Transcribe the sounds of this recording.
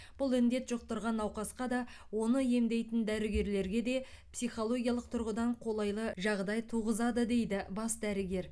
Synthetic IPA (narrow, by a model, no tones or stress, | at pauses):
b̥ʊlˠɪnd̪e̞t̪ʒ̥oq̚t̪əɾʁɑnɑwqɑsqɑd̪ɑ | wo̞nəje̞md̪e̞jt̪ɪnd̪æɾɪɡʲe̞ɾle̞ɾɡʲe̞d̪e̞ | psijχo̞lˠo̞ɡʲijɑlˠəq̚t̪ʰʊɾʁəd̪ɑɴqʰo̞lˠɑjlˠəʒɑʁd̪ɑjt̪ʰuʁəzɑd̪əd̪e̞jd̪ɪbɑsd̪æɾɪɡʲe̞ɾ